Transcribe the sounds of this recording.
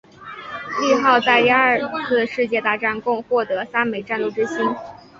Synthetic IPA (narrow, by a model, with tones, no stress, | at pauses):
li˥˧xɑ˥˧ʊt͡sa˥˧ɪt̪i˥˧a˥˨˩t͡sʰɹ̩˥˩ʂɻ̩˥˧t͡ɕjɛ˥˧t̪a˥˧ʈ͡ʂa˥˧nkʊ˥˧ŋxwɔ˥˩t̪ɤ˧˥sa˥nme˨˩ɪʈ͡ʂa˥˧nlu˥˩ʈ͡ʂɻ̩˥ɕi˥n